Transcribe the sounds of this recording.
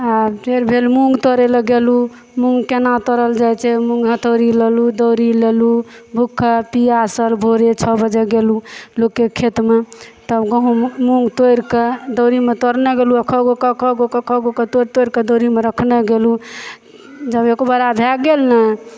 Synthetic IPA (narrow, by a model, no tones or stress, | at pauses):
abtʰeɾbʱelmuŋɡt̪ɔɾeləɡelu | mũŋɡkenat̪ɔɾəld͡ʒajt͡ʃʰɛmũŋɡɦət̪oɾilelud̪əwɾilelubʱukʰəpiasəlbʱoɾet͡ʃʰɔbəd͡ʒeɡelulokːekʰet̪met̪əbɡəɦũmuŋɡt̪ojɾked̪əɾimet̪oɾnɛɡeluakʰɔɡokɔkʰɔɡokɔkʰɔɡoket̪oɾt̪ojɾked̪oɾimeɾəkʰnɛɡelu | d͡ʒəbekobəɾabʱaɡelna